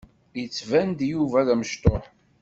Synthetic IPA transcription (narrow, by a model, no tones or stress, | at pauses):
ət͡sːvænd̪juvæðæməʃt̪ˤoħ